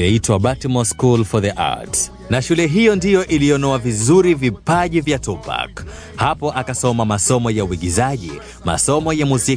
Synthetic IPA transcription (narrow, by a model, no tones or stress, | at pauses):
ɛitwaɓatɛmɔskulfɔðɛʔa̰t | naʃulɛɦijɔndijɔʔiliɔnɔavizuɾivipaʄivjatɔpa̰k | hapɔʔakasɔmamasɔmɔjauwiɠizaʄi | ma̰sɔmɔjamuzi